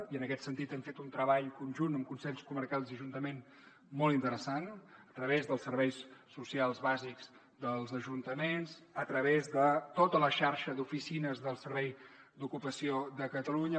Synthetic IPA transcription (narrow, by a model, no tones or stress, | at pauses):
iənəkɛt̪sənt̪it̪ɛɱfet̪unt̪ɾəβaʎkunʲʒunəmkunsɛʎskumərkalˠziəʒunt̪əmen | mɔlˠt̪int̪əɾəsanət̪ɾəβezðəlˠsərβɛjsː | usialˠzβazikz̥ | d̪əlˠzəʒunt̪əmenzət̪ɾəβezðət̪ot̪ələʃaɾʃəðufisinəzðəlˠsəɾβɛj | d̪ukupəsiod̪əkət̪əluɲə